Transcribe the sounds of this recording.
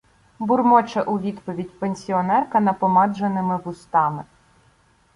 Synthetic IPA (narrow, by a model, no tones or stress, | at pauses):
bʊrmɔt͡ʃɐʔuʋʲid̪pɔʋʲidʲpenʲsʲiɔnɛrkɐnɐpɔmɑd͡ʒenɪmɪʋʊst̪ɑmɪ